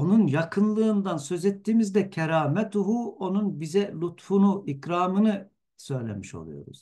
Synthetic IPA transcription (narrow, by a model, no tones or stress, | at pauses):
o̞nunjakʰɯnlˠɯːnd̪ansø̞zɛt̪ːiːmizd̪ɛcʰɛɾaːmɛt̪ʰuɦuo̞nunbizɛlʲut̪funuikɾaːmɯnɯ | sø̞jlʲḛmiʃo̞̰lˠṵjo̞̰ɾṵz̥